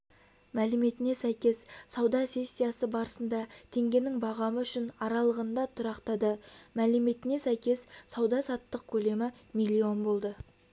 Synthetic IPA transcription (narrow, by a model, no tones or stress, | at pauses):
mælɪme̞t̪ɪne̞sæjkʲe̞ssɑwd̪ɑsʲe̞sʲːijasəbɑɾəsənd̪ɑt̪ʰe̞ŋɡʲe̞nɪŋbɑʁɑməʏʃɪnɑɾɑlˠəʁənd̪ɑt̪ʰʊɾɑqt̪ɑd̪əmælɪme̞t̪ɪne̞sæjkʲe̞ssɑwd̪ɑsɑt̪ːəq̚kʲʰɵle̞mɪmijlʲːio̞nbo̞lˠd̪ə